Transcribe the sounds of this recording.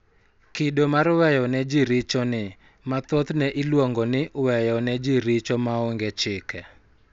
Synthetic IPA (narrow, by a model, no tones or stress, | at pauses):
kɪdomarwɛjɔnɛd͡ʒɪɾɪt͡ʃɔnɪ | mat̪ɔt̪nɛʔɪlwoŋɡɔnɪwɛjɔnɛd͡ʒɪɾɪt͡ʃɔmaɔŋɡɛt͡ʃɪkɛ